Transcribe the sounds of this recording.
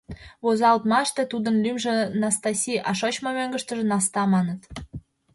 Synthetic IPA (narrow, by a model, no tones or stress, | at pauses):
βozɑlt̪mɑʃt̪et̪ud̪ə̆nlymʒĕnɑst̪ɑsʲiʔɑʃot͡ɕmomøŋɡə̆ʃt̪ə̆ʒə̆nɑst̪ɑmɑnə̆t̪